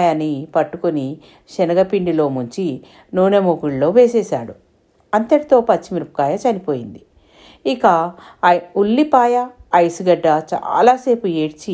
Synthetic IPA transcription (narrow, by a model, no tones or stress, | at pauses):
janːipɐʈːukoni | ʃɛnɐɡɐpiɳɖilo̞ːmuɲt͡ʃi | noːnemoɡuɭlo̞ːʋe̞ːseːsa̰ːɽu | ɐnt̪ɐʈit̪o̞ːpɐt͡ʃːimiɾupukaːjɐt͡ʃɐnipo̞ːjind̪i | ikɐ | ulːipaːjɐːjsuɡɐɖːɐt͡ʃa̰ːlaːse̞ːpueːɽt͡ʃi